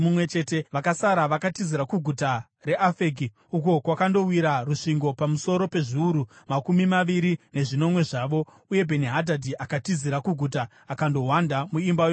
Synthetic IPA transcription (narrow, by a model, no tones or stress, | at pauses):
mumwe̞t͡ʃe̞ːte̞ʋakasaɾaʋakatiziɾakuɡʱuta | re̞ʔafeɡi | uko̞kwakando̞wiɾaruʂiŋɡo̞pamuso̞ɾo̞pe̞ʐiuɾumakumimaʋiɾine̞ʐino̞mwe̞ʐaːʋo̞ | uje̞bʱe̞niɦadʱadʱiʔakatiziɾakuɡʱutaː | kando̞wandamuimbajo